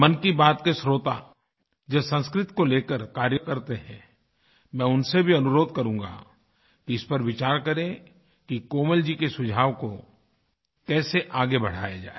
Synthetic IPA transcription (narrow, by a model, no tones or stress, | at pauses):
mɐnkibaːt̪kesɾoːt̪a̰ | d͡ʒɐsɐ̃nskɾɪt̪koleːkəɾkaːɾjəkɐɾt̪eɦɛ̃ | mɛ̃ːʊnsebʱiɐnʊɾoːd̪̚kɐɾũːŋɡa̰ | kiɪspɐɾʋɪt͡ʃaːɾkɐɾẽ | kikoːməld͡ʒikesʊd͡ʒʱaːʋko | kɛːseʔaːɡebɐɽ̤a̰ːjad͡ʒa̰ːe